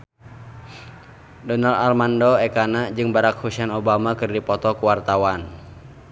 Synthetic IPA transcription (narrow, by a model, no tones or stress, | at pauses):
dɔnaldalmandɔɛkanad͡ʒɨŋbaɾak̚husanɔbamakɨrdipɔt̪ɔkuwart̪awan